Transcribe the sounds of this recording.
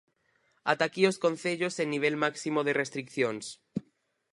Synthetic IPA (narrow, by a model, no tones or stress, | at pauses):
a̰t̪akioskõn̟θeʎosenːiβ̞elmaksimoðerest̪ɾikθjons